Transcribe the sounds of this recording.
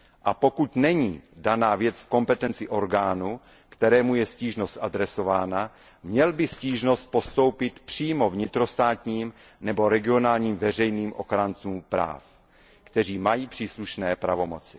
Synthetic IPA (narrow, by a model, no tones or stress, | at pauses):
ʔapo̞kut̪nɛɲiːdanaːvjɛt͡sfko̞mpɛt̪ɛnt͡sɪʔo̞ɾɡaːnu | kt̪ɛɾɛːmujɛsciːʒno̞st̪ʔad̪ɾɛso̞vaːna | mɲɛlbɪsciːʒno̞st̪̚post̪o̞wpɪt̪pr̥iːmo̞vɲɪt̪ɾo̞st̪aːt̪ɲiːm | nɛbo̞ɾɛɡɪo̞naːlɲiːmvɛrɛjniːmʔo̞̰xɾant͡suːmpɾa̰ːf | kt̪ɛr̝iːmajiːpr̥iːsluʃnɛːpɾavo̞mo̞t͡sɪ̥